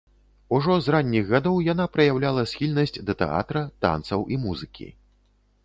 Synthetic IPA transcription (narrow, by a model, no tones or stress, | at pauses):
uʐɔzranʲːiɣɣad̪ɔwjan̪apɾɐjawlʲalˠɐsʲxʲilʲnɐsʲt͡sʲd̪ɐt̪ɛ̰a̰t̪ɾɐt̪a̰nt̪sɐwʔimuzɨkʲḭ